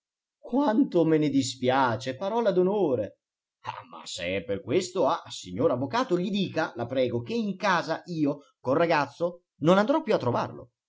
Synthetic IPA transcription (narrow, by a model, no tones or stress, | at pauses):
kwant̪omɪnɪd̪ispjaːt͡ʃepaɾɔːlad̪onoːɾe | a̰ma̰seɛperkwest̪oaasiɲːoːɾavːokaːt̪oʎid̪iːkalapɾɛːɡok̟eiŋkaːzaʔiːo | konraɡat̪sːo | nonand̪ɾɔpːjuat̪ːɾova̰rlo̰